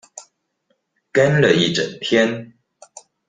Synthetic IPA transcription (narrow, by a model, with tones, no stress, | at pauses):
ka˥˦nlə˨i˥˩ʈ͡ʂə̰˨˩npʰjɛ˥˦n